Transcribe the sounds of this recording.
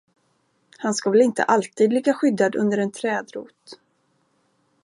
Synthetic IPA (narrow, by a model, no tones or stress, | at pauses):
hanskavɛlɪnt̪ə̰ʔalt̪ʰiːd̪lɪɡaɧʏd̪ːad̪ɵ̰nd̪əɾɛnt̪ʰɾɛːd̪ɾṵːt̪